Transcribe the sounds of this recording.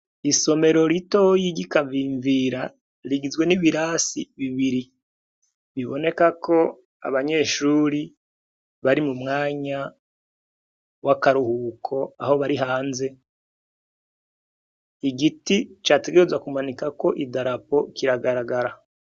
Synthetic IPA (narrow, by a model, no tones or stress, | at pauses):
iso̞me̞ɾo̞ɾito̞jiɟikaviːɱviɾa | ɾiɡizɡwe̞niβiɾasiβiβiɾi | βiβo̞̰ne̞kakʰo̞ | a̰βaɲe̞ːʃuːɾi | βaɾimumŋaːɲa | wakaɾuhukʰo̞aho̞βaɾiɦaːnze̞ | iɡitit͡ʃaːte̞ɡeɾezwakumanikako̞ʔidaɾapo̞kiɾaɡaɾaɡaɾa